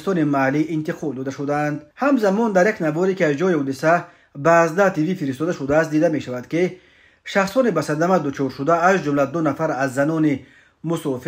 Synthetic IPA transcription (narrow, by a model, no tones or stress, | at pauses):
st̪ɔnimaliʔːnt̪iqʰɔld̪ɔd̪aʃud̪aːnd̪hamzamɔnd̪aɾjaknavɔɾekiazd͡ʒɔihɔd̪isa | baːzd̪aht̪ʰivifiɾis̬t̪ɔd̪aʃud̪aːst̪d̪id̪ame̞ʃavad̪ki | ʃaχsɔnibasad̪amad̪ut͡ʃʰɔɾʃud̪aːzd͡ʒumlad̪unafaɾazːanɔni | musɔfi